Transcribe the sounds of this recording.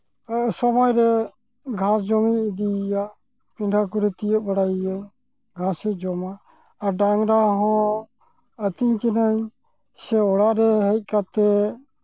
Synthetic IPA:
sɔmɔjɾɛ | ɡʱãsd͡ʒɔmiid̪ija | piɳɖʱakuɾɛt̪ijət̪̚baɽajiaɲ | ɡʱãsɛd͡ʒɔmaː | ɖaŋɾaɦɔ̃ | ət̪iɲkɛnaɲ | sɛɔɽaʔɾɛɦɛc̚ˀkat̪ɛ

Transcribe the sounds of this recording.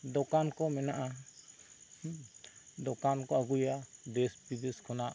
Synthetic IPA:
d̪ɔkankɔmɛnaʔa | d̪ɔkankɔaɡujad̪ɛsbid̪eskʰɔnaʔ

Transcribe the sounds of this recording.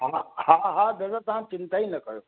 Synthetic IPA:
ɦahaɦad̪ɐdat̪ɐʋ̤ãt͡ʃɪ̃nt̪ainɐkɐjo

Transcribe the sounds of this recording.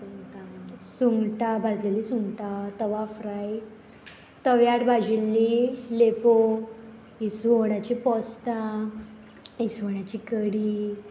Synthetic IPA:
uŋɡʈasuŋɡʈabʱad͡zlelisuŋɡʈat̪əʋafɾaj | t̪əʋjaʈbʱad͡ʑilːilepo | isʋoɽ̃jat͡ɕipɔst̪a | isʋoɳ̃at͡ɕikəɽiː

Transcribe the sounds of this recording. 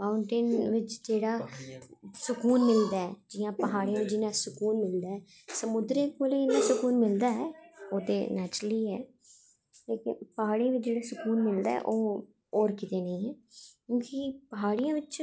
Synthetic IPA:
maːʊɳʈɪnʋɪt͡ʃd͡ʒeːɽaː | sʊkuːnmɪld̪aːɛːd͡ʒɪjãːpəɦaːɽijãːʋɪt͡ʃd͡ʒɪnãːsʊkuːnmɪld̪aːɦɛː | səmʊd̪ɾẽːkoːleːɪnːãːsʊkuːnmɪld̪aːɛːoːt̪eːnɛːt͡ʃɾəliːɛː | leːkɪ̰npəɦaːɽijãːʋɪt͡ʃd͡ʒeːɽaːsʊkuːnmɪld̪a̰ːɛ̰ʔoː | ɔːɾkɪt̪eːnəĩːɛːkjũːkipəɦaːɽɪjãːʋɪt͡ʃ

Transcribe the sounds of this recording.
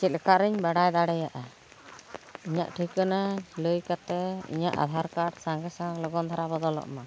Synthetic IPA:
t͡ʃit̪̚lɛkaʔɾɛɲbaɽajd̪aɽɛjaʔa | iɲa̰ʔʈʰikənaləjkat̪ɛḭɲaʔa̰d̪ʱaɾkaɽsaŋɡɛsaŋlɔɡɔnt̪ʰaɾabɔd̪ɔlɔ̰ʔma

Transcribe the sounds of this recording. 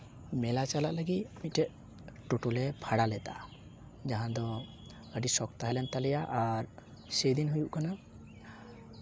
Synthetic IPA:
mɛlat͡ʃalaʔləɡit̪̚mit̪̚ʈɛʔ̪̚ | ʈoʈulɛpʰaɽalɛt̪a̰ | d͡ʒaɦãd̪ɔ | əɖisɔk̚t̪aɦɛlɛnt̪alɛjaʔaɾ | sejd̪inɦujuʔkana

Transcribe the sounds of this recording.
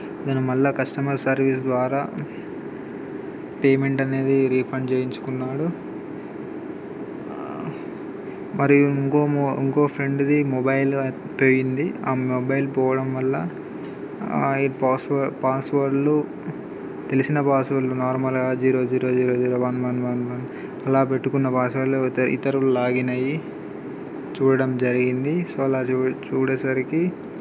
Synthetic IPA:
ɐd̪ɐnumɐlːɐkɐsʈɐmɐɾsɐɾʋisd̪ʋaːɾaː | peːme̞ɳʈɐne̞ːd̪iɾiːpʰɐɳɖt͡ʃeːjiɲt͡ʃu̥kunːaːɽu | mɐɾiuiŋkoːḭŋkoːpʰɾe̞ɳɖd̪imobɐjl | poːjind̪iaːmɔbɐjlpɔːʋɐɽɐmʋɐlːɐ | ipaːsʋɐpaːsʋɐɾlu | t̪e̞lisinɐpaːsʋɐɾlunaːɾmɐlɡaːd͡ʒiːɾoːd͡ʒiːɾoːd͡ʒiːɾoːd͡ʒiːɾoːʋɐnʋɐnʋɐnʋɐn | ɐlaːpe̞ʈːukunːɐpaːsʋɐɾlt̪ɐʔḭt̪ɐɾulaːɡinɐji | t͡ʃuːɽɐɽɐmd͡ʒɐɾiɡind̪isoːɐlaːt͡ʃuːɽeːsɐɾiki

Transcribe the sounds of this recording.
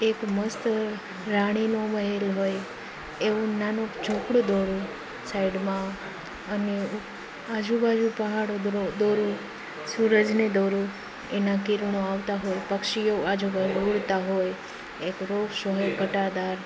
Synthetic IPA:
ekməst̪ | ɾaɽ̃inoməɦelɦoj | eũnanod͡ʒʰʱokɽd̪oɾũ | saiɖmã | əne | ad͡ʒubad͡ʒupəɦaɽood̪oɾu | suɾəd͡ʒned̪oɾu | enakɪɾnoaʋt̪aɦojpəkʃijoad͡ʒubad͡ʒuuɽt̪aɦoj | ekɾoʋʃoɦeɡʱəʈad̪aɾ

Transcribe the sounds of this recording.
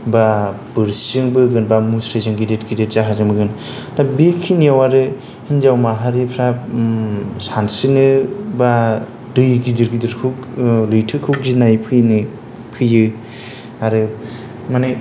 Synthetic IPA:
ba | b̥ɯɾszɯŋbɯɡɯnbamusɾezɯŋɡidetɡidet̚zaɦazɯŋbɯɡɯn | nabikʰiniawaɾɯ | hinzawmaɦaɾipʰɾa | sansɯnɯba | dɯjɡidɯɾɡidɯɾkʰuklɯjtʰɯkʰuk̚d͡ʒinajpʰɯjnɯ | pʰɯjɯ | aɾɯ | manaj

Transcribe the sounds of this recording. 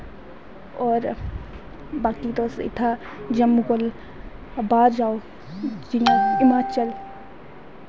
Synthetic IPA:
ɔːɾ | baːkid̪oːsḭt̪ʰa | d͡ʒɐmuɡol | baːɾd͡ʒaːo | d͡ʒijãimaːt͡ʃəl

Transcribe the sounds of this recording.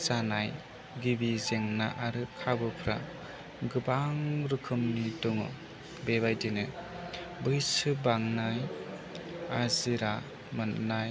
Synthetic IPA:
sanaj | ɡibizeŋna̰ʔaɾɯkʰabɯpʰɾa̰ | ɡɯbaŋɾɯkʰɯmniduŋɯ̰ | beβajdinɯ | bɯjsɯbaŋnaj | aziɾa | mɯnnaj

